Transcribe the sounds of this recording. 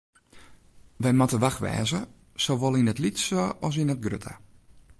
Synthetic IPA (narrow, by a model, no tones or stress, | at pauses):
ʋɛjmatəʋaxʋɛ̰ːzə | soʋɔlˠinətlitsoɔs̬inət̚ɡrø̰tʰa̰